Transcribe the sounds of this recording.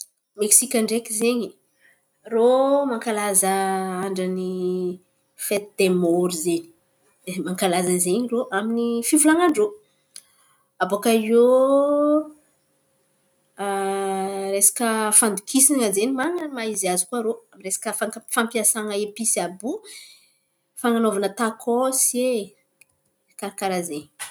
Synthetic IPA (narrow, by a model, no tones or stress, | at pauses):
meksikʲaɳɖ͡ʐekizeɲi | romaŋkalazəaɳɖ͡ʐəni | fet̪id̪̥emoɾzeni̥ | maŋkalazəzeɲiroʔaminifivulaŋaɳɖ͡ʐo | abokaio | ɾesḁkəfand̪ukʰisiŋəzenimaŋəmaizazikuaɾoresḁkəfakfampiasaŋəepisiabu | faŋanovanət̪akʰosie | kaɾakaɾazeɲ